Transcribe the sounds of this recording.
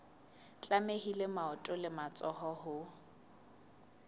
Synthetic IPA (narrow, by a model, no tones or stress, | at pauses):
t͡ɬʼamehilemaɔtʼʊlɪmat͡sʼɔhɔɦʊ